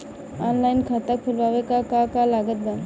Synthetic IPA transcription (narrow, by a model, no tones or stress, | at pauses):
anlainkʰat̪ak̚pʰulʋaʋekakakalaɡət̪̚ɡa